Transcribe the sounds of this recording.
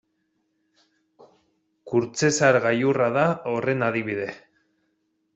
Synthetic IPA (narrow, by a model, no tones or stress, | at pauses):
kuɾt͡se̞saɾɣajuraðao̞re̞naðiβ̞iðe̞